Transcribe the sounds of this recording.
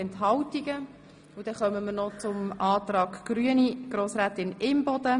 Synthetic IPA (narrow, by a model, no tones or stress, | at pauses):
ɛntɦɑwtiɡə | ʊd̥̪ɛχœməməɾnɔt͡sʊmɑːt̪rɑːɡɡ̥ɾyəniɡ̥ɾoːsɾæːt̪ɪnɪmbɔd̥̪ə